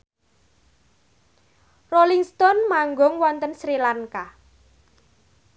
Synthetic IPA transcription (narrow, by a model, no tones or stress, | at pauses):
roliŋst̪ɔnmaŋɡɔŋwɔnt̪ənsɾilaŋka